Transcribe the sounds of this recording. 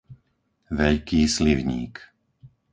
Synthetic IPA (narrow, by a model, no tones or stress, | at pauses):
ʋɛʎkiːsliʋɲḭːk